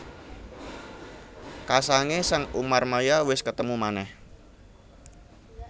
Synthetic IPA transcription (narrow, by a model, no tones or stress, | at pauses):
kasaŋesaŋumarmajawɪskət̪əmumanɛh